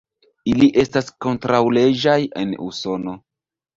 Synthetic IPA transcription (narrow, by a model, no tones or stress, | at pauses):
iliʔe̞stasko̞ntɾawle̞ʒaje̞̰nṵso̞no̞